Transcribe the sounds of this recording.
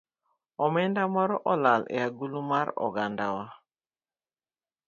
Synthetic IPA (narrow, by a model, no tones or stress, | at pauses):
ɔmɛndamɔɾɔʔɔlalɛ̰aɡulumaɾɔ̰ɡandawa